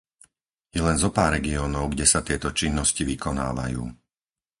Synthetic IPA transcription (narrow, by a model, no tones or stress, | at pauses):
jɛlɛnzɔpaːɾɾɛɡiɔːnɔʊɡɟɛsat̪ɪɛt̪ɔt͡ʃinːɔsciʋikɔna̰ːʋa̰jṵː